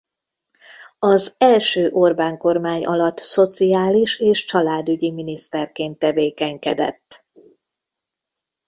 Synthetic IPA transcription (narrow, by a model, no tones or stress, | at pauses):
ɒzɛlʃøːʔo̞rbaːŋko̞rmaːɲʔɒ̰lɒt̪ːso̞t̪sijaːliʃeːʃt͡ʃɒlaːd̪yɟiminist̪ɛrkeːnt̪ːɛveːkɛɲkɛd̪ɛ̰t̪ː